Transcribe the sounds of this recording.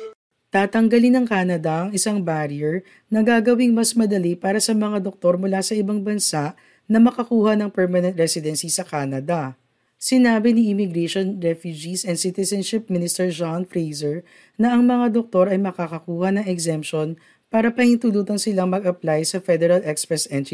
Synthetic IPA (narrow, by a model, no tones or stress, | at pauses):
t̪aːt̪ɐŋɡɐlɪnɐŋkaːnɐd̪ɐʔɐŋɪsaŋbaɾiɛɹ | nɐɡaːɡɐwiŋmɐsmɐd̪ɐlipaːɾɐsɐmɐŋad̪ok̚t̪o̞ɾmʊlasɐʔɪbaŋbɐnsaʔ | nɐmɐkɐkuːhɐnɐŋpɛɹmɐnɛ̃nt̪ɹɛsɪd̪ɛnsisɐkaːnɐd̪ɐ | sɪnaːbɪniʔɪmɪɡɾɛʃonɹɛfjud͡ʒisɛnd̪sɪt̪ɛsɛnʃɪp̚mɪnɪst̪ɛɹd͡ʒanfɾejzɛɹ | nɐɐŋmɐŋad̪ok̚t̪o̞ɾɐjmɐkakɐkuːhɐnɐŋɛɡsɛmp̚ʃon | paːɾɐpɐhint̪uluːt̪ɐŋsɪlaŋmɐɡɐplajsɐfɛd̪ɛɾɐlʔɛkspɹɛsʔɛnt̪i